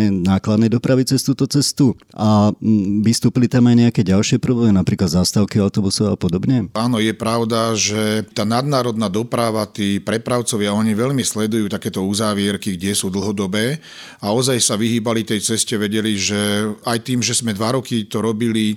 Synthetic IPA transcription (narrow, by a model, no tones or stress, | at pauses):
ɛnaːklad̪nɛjd̪ɔpɾaʋit͡sɛst̪uːt̪ɔt͡sɛst̪uʔa | ʋist̪uːpilit̪amajɲɛakɛːɟalʃɪɛpɾɔblɛːminapɾiːklad̪zast̪aʊkiaʊt̪ɔbusɔa̰pɔd̪ɔbɲɛaːnɔjɛpɾaʊd̪aʒɛt̪aːnad̪naːɾɔd̪naːd̪ɔpɾaʋat̪iːpɾɛpɾaʊt͡sɔʋɪaɔɲiʋɛʎmislɛd̪ujuːt̪akɛːt̪ɔuzaːʋɪɛɾkiɡɟɛsuːd̪l̩ɦɔd̪ɔbɛː | aɔzajsaʋiɦiːbalit̪ɛjt͡sɛscɛʋɛɟɛliʒɛajt̪iːmʒɛzmɛd̪ʋaɾɔkit̪ɔɾɔbili